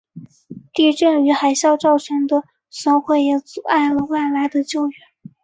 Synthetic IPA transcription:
t̪i˥˧ʈ͡ʂɤ˥˩ŋy˧˥xa˨˧˩ɪɕjɑ˥˧ʊʈ͡ʂɑ˥˩ʊt͡ɕʰɛ˧˥nd̪ə˧ | sɤ˧˥ʊxwe˥˩ɪjɛ˧˩t͡su˨˧˥ʔa˥˩ɪlə˩wa˥˩ɪla˧˥ɪd̪ə˧t͡ɕjo˥˩ʊɥɛ˧˩˦n

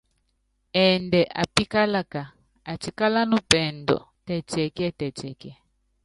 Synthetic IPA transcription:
ɛ˨ndɛ˨ʔa̰˨pi˦ka˦la˦ka˨ | a˨t͡ʃi˨ka˦la˦nu˦pɛ˨ndɔ̰˨ | tɛ˨t͡ʃɛ˨ki˦ɛ˦tɛ˨t͡ʃɛ˨kɛ˦˨

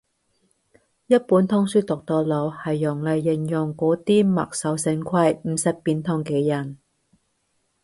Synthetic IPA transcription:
jɐ˥t̚puː˨˥nt̪ʰɔ˥ŋsyː˥t̪ʊ˨k̚t̪ɔː˧lo˨˧whɐ˨˩jːʊ˨˩ŋlɐ˨˧jːɪ˨˩ŋjʊ˨ŋkʷɔː˨˥t̪iː˥mɐ̰˨k̚sɐ˨˥wsɪ˨˧˥ŋkʷʰɐ˧jm̩˨˧sɐ˨˩p̚piː˨˧nt̪ʰɔ˥ŋkɛː˧jɐ˨˩n

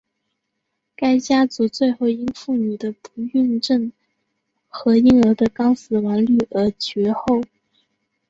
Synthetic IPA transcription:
ka˥ɪt͡ɕja˥t͡su˧˥t͡swe˥˧ɪxo˥˧˩ʊi˥nfu˥˩ny˨˩d̪ə˦pʰu˧˥y˥˧nʈ͡ʂə˥˩ŋ | xɤ˧˥i˥ŋə˧˥d̪ə˧kɑ˥ŋsɹ̩˧˥wɑ˧˥nly˥˩ə˞˧˥t͡ɕɥɛ˧˥xo˥˩ʊ

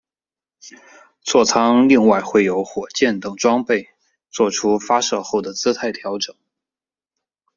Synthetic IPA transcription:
t͡swɔ˥˩t͡sʰɑ˥ŋli˥˧ŋwa˥˧ɪxwe˥˩ɪjo˧˥ʊxwɔ˨˩t͡ɕjɛ˥˩nt̪ɤ˨˩ŋʈ͡ʂwɑ˥ŋpe˥˧ɪ | t͡swɔ˥˩ʈ͡ʂʰu˥fa˥ʂɤ˥˧xo˥˩ʊd̪ə˩t͡sɹ̩˥t̪ʰa˧˥˩ɪt̪ʰjɑ˧˥ʊʈ͡ʂɤ˨˩˦ŋ

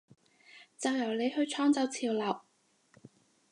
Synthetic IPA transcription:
t͡sɐ˨˧wjɐ˨˩wle˨˧jhɵ˧ɥt͡ʃʰɔː˥ŋt͡sɐ˨˧wt͡sʰiː˨˩wlɐ˨˩w

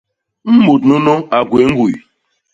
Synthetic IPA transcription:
m̩˦mu˨dnʊ˦no˦a˨ɡʷe˨ŋ̩˦ɡʷu˨ḭ˨

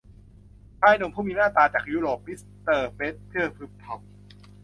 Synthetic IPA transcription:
pʰaː˧˥˩jno˧mpʰuː˥˩miː˧naː˥˩t̪aː˧t͡ɕaː˨˩k̚juː˦˥ɾoː˨˩p̚mi˦˥s | t̪ɤː˧peː˦˥t̪̚pʰɯ˥˩ɐpʰɯ˦˥p̚t̪ʰa˧˩m̚

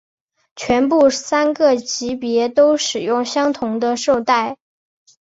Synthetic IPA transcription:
t͡ɕʰɥɛ˧˥np̬u˥˩sa˥nɡə˥˩t͡ɕi˧˥pjɛ˧˥t̪o˥ʊʂɻ̩˨˩jʊ˥˩ŋɕjɑ˥ŋt̪ʰʊ˧˥ŋd̪ə˧ʂo˥˧ʊt̪a˥˩ɪ

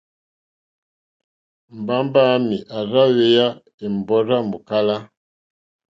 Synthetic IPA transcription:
m̩˨ba˦mba˦mi˨ʔa˨ɾa˦we˦ja˦ | e˨m˨bɔ˦ɾa˦mu˨ka˦la˦

